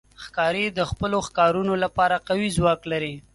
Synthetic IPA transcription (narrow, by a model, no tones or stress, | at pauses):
xkɑɾid̪əxpəloxkɑɾunolapɑɾaqawizwɑklaɾi